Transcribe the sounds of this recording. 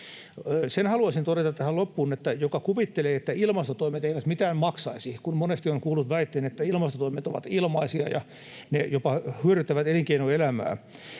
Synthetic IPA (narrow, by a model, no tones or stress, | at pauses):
senhɑluɑsint̪oɾet̪ɑt̪t̪æhælopːuːnet̪ːæjokɑkuʋit̪ːeleːet̪ːæilmɑst̪ot̪oimet̪eiʋæt̪mit̪æːmmɑksɑisikunmonest̪ioŋkuːlːut̪ʋæit̪ːeːnet̪ːæilmɑst̪ot̪oimet̪oʋɑ̰t̪ilmɑisiɑ̰jɑ̰ | nejopɑhyøɾyt̪ːæʋæt̪eliŋkeinoelæmæ̰ː